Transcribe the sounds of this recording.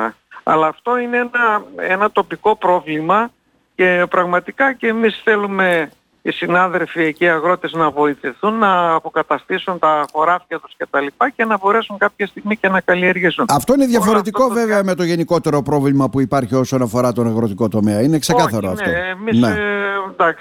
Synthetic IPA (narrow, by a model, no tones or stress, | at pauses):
ɐ̰lɐːft̪o̞ineenɐenɐt̪o̞piko̞pɾo̞vlimɐ | ce̞pɾɐɣmɐt̪ikɐceːmisθe̞lume̞ | isinɐðe̞lfieciɐɣɾo̞t̪e̞znɐvo̞iθiθunːɐːpo̞kɐt̪ɐst̪isunt̪ɐxo̞ɾɐfcɐt̪usce̞t̪ɐlipɐce̞nɐbo̞ɾe̞suŋkɐpçɐst̪iɣmice̞nɐkɐlie̞ɾʝisunɐft̪o̞ineðʝɐfoɾe̞t̪̬iko̞ve̞veɐme̞t̪o̞ʝe̞niko̞t̪e̞ɾo̞pɾo̞vlimɐpuipɐɾçio̞so̞nɐfo̞ɾɐt̪o̞nɐɣɾo̞t̪iko̞t̪o̞me̞ɐinekse̞kɐθɐɾoɐft̪omined̪ɐksi̥